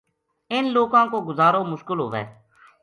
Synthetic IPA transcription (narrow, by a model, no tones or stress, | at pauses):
ɪnloːkãːkoːɡʊzaːɾoːmʊʃkəlɦo̰ːʋɛ̰ː